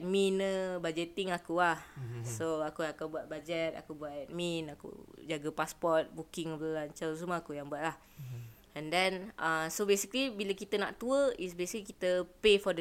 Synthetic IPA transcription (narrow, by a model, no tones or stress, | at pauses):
ɛt̪̚minəbad͡ʒɛt̪ɪŋakuahsoakujãŋkabuat̪̚bad͡ʒɛt̪a̰kubuat̪̚ɛt̪̚mĩnakṵd͡ʒaɡapaspɔt̪̚bukɪŋəlaɲt͡ʃaws̬umaakujaŋbuaʔ̚lah | ɛ̃ndɛnəsobesikəlibiləkit̪əna̰ʔt̪uəisbesi̥klikit̪əpefɔdə